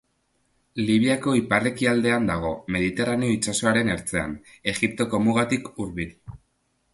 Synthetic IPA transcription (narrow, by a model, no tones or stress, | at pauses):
liβ̞iako̞iparekiald̪e̞and̪aɣ̞o̞me̞ð̞it̪e̞rane̞o̞it͡ʃaso̞aɾe̞ne̞ɾt͡se̞a̰n | e̞ɣip̚t̪o̞ko̞muɣat̪ikuɾβil